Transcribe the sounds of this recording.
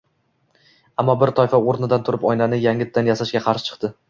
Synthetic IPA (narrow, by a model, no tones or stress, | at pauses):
amːɒbɪɾt̪ʰɒjfaoɾnɪd̪ant̪ʰʊɾɪpɒjnanɪjaŋʲɪt̪ʰːanjasaʃɡʲaqʰɑɾʃɪ̥t͡ʃʰɨ̥qt̪ɪ